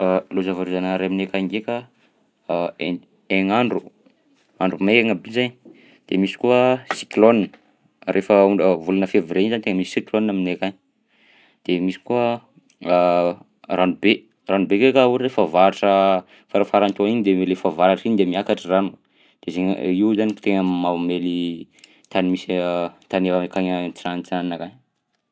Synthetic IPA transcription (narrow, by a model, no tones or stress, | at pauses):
lozavaɾuzanaɾaaminekaŋɡekʲa | eŋaɳɖ͡ʐu̥ | aɳɖ͡ʐumekaŋabizaɲi | d̪̥emisi̥kuəsi̥klonin | rʔefəuɳəvulanəfeviɾeizant̪eŋəmisi̥sikloniaminekʲaɲi | d̪̥emisi̥kuə | ranube | ranubekekauɾiɾefəvaɾaʈ͡ʂə | faɾafaɾant̪uoaind̪elefavaɾaʈ͡ʂind̪emiakaʈ͡ʂiranu | d̪̥ezeɲ̰iuzanit̪eŋəmameli | t̪animist̪aneakaɲət͡sianit͡saninakaɲ